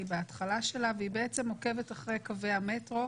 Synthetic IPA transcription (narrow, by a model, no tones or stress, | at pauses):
ibeatχalaʃe̞laveibeet͡semhoke̞vetaχʁejkave̞jame̞tʁo̞